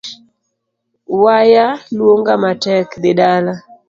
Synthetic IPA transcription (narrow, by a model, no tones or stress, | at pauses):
wajalwoŋɡamatɛkd̪ɪdala